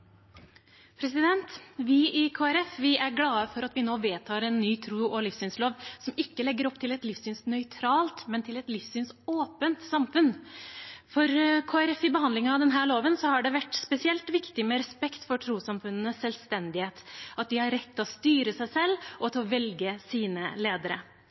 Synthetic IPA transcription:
pʰɾɛsɪd̪ɛnt̪ʋɪɪkʰoːæɾɛfʋɪæɾɡlɑːəfɔɾɑt̪ʋɪnoːʋeːt̪ʰɑːɾɛnːyːt̪ʰɾuːɔlɪfsyːnsloːʋsɔmɪkːəlɛɡːəɾɔpt̪ʰɪlɛt̪lɪfsyːnsnœʏt̪ʰɾɑːlt̪mɛnt̪ʰɪlɛt̪lɪfsyːnsoːpənt̪sɑmfʉn | fɔɾkʰoːæɾɛfɪbəɦɑnd̪lɪŋɑd̪ɛnɦæːɭoːʋənsɔhɑɖɛʋæʈːspɛsɪɛlt̪ʋɪkt̪ɪmɛɾɛspɛkt̪fɔʈʰɾuːsɑmfʉnːənəsːɛlst̪ɛnd̪ɪheːt̪ɑt̪̚d̪ɪhɑɾːɛt̪ʰːlɔst̪yːɾəsæɪsɛlːɔt̪ʰɔʋɛlɡəsiːnəleːd̪əɾə̰

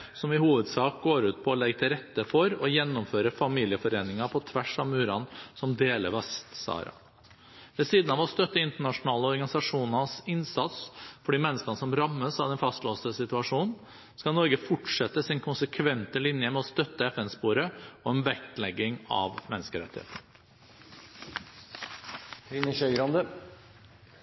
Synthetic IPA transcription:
sɔmɪhuːʋəd̪sɑːk̚ɡoːɾʉːt̪̚pʰɔːlɛɡt̪ʰɪlɾɛt̪ːəfɔɾɔjɛnːɔmføːɾəfɑmiːlɪəfɔɾeːnɪŋɑpʰɔt̪ʰʋæʂɑmʉːɾɑ̰nsɔmd̪eːləʋɑst̪sɑ̰ːɾɑ̰ | ʋɛsiːd̪nɑʋɔst̪œt̪ːəɪnt̪əɳɑʂʊnɑːləɔɾɡɑnɪsɑʂuːnɑsɪnsɑt̪sfɔɖiːmɛnːəskɑnəsɔmɾɑmːəsɑʋd̪ɛnfɑst̪loːsəsɪt̪ʉɑʂuːnn̩ | skɑlnɔɾɡəfʊʈʂɛt̪ːəsɪnkʰʊnsəkʰʋɛnt̪əlɪnjəmɛɔst̪œt̪ːəɛfɛnspoːɾəɔɛnʋɛklɛɡːɪŋɑ̰ʋmɛnːəskəɾɛ̰t̪ːɪhḛːt̪n̩ | hɾɪnəçœʏɡɾɑnd̪ə

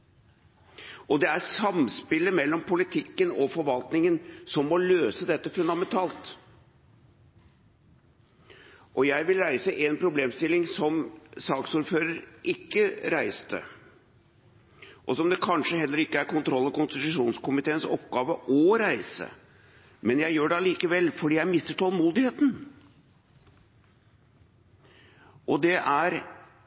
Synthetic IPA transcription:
ʔɔd̪ɛæɾsɑmspɪlːəmɛlːɔmpʰʊlɪt̪ʰɪkːənɔfɔɾʋɑlt̪nɪŋənsɔmːɔløːsəd̪ɛt̪ːəfʉnd̪ɑmɛnt̪ʰɑːlt̪ | ʔɔjæɪʋɪlɾæɪsəʔenpʰɾʊbleːmst̪ɪlːɪŋsɔmsɑːksuːɾføːɾəɾʔɪkːəɾæɪst̪ʰə̰ | ʔɔsɔmd̪ɛkʰɑnʂəɦɛlːəɾɪkːəæɾkʰʊnt̪ʰɾɔlːəkʊnst̪ɪt̪ʉʂuːnskʊmɪt̪ʰeːənsɔp̚ɡɑːʋəʔɔɾæɪsə̰ | mɛnjæɪjøːɖɛɑliːkəʋɛlːfɔɖiːjæɪmɪst̪əʈʰɔlˠmuːd̪ɪheːt̪n̩ | ʔɔd̪ɛʔæɾ

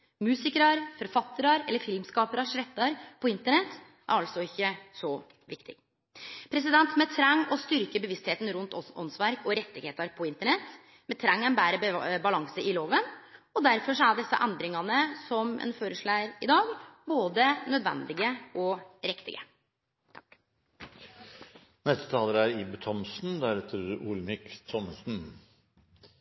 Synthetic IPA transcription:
mʉːsɪkəɾɑɾfɔɾfɑt̪ːəɾɑɾɛ̰lːəɾfɪlmskɑːpəɾɑʂɾɛt̪ːɑɾpʰɔɪnt̪əɳɛt̪ː | ʔæ̰ɾɑlsɔɪçːəsɔ | ʋɪkt̪ʰɪ̰ | pʰɾɛs̬ɪd̪ɛnt̪mɛt̪ʰɾɛŋːɔst̪ʏɾkəbəʋɪst̪heːt̪n̩ɾʉnt̪ɔ̰nsʋæɾkɔɾɛt̪ːɪɡeːt̪ɑɾpʰɔɪnt̪əɳɛt̪ː | mɛt̪ʰɾɑŋːɛnbæːɾəbɑlɑŋsəɪloːʋənɔd̪æɾfɔʂɔæɖɛsːɑ̰ʔɛnd̪ɾɪŋɑnəsɔmʔɛ̰nføːɾəʂɭæːɾɪd̪ɑːɡboːd̪ənœd̪ʋɛ̰nd̪ɪɡəʔɔɾɪkt̪ɪ̰ɡə | t̪ʰk | nɛst̪ə̥t̪ʰɑːləɾæɾɪbət̪ʰɔmsnd̪æɾɛt̪ʰəʔuːlmɪkt̪ʰɔməsn̩

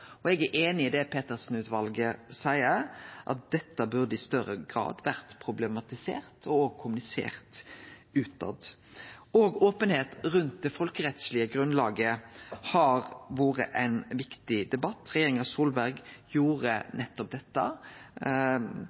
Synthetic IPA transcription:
ɔɛɡæʔeːnɪɪd̪ɛpʰeːt̪əʁsn̩ʉːt̪ʋɑlɡəsæɪəɾʔɑ̰t̪̚d̪̥ɛt̪ːəbʉɾd̪əɪst̪œɾəɡʁɑ̰ːd̪ʋæɾt̪pʰɾʊblɛmɑt̪ɪsḛːɾt̪ʰɔoːɡkʰʊmʉnɪsḛːɾt̪ʉːt̪ɑ̰d̪ | oːɡoːpənheːt̪ɾʉnt̪̚d̪ɛfɔlkəɾɛt̪slɪəɡɾʉnlɑːɡəhɑɾʋoːɾə̰ʔæɪnʋɪkt̪ɪd̪ɛbɑt̪ːɾɛjeːɾʁɪŋɑsuːlbæɾɡjuːɾənɛt̪ːɔp̚d̪ɛt̪ːə

